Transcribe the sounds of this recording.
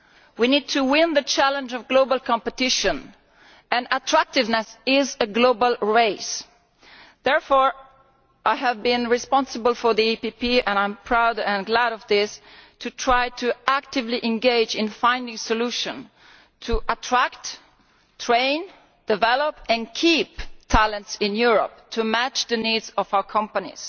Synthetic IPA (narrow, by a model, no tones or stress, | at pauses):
winid̚tʰuwɪ̃nðət͡ʃʰælə̃nd͡ʒɔvɡloʊbəlˠkʰɑ̃mpɨtɪʃə̃n | ɨ̃nətʰɹ̥æk̚tɪvnɨsɪzəɡloʊbəlˠɹeɪs | ðɛɹfɔɹ | ʔaɪəvbɪ̃nɹɪspɑ̃nsəbəl̩ˠfɔ˞ðiipipiɛ̃nãɪ̃mpʰɹ̥aʊdɨ̃nɡlæɾʌvðɪstʰutʰɹaɪtʰuæk̚tɪvliʔɛ̃nɡeɪd͡ʒɪ̃nfãɪ̃ndɪ̃ŋsɔluʃə̃n | tʰuʔətʰɹ̥ækt | tʰɹẽɪ̃n | d̥ɪvɛlɔpɨ̃nkʰiptʰælə̃ntsɪ̃njuɹɔ̰p̚tʰumæt͡ʃðənidzɔvaʊə˞kʰʌ̃mpənḭz̥